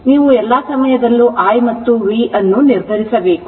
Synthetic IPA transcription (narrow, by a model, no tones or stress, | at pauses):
niːʋuɛlːaːsɐmɐjɐd̪ɐlːuʔaːjmɐt̪ːuʋiʔɐnːuniɾd̪ʱɐɾisɐbe̞ːku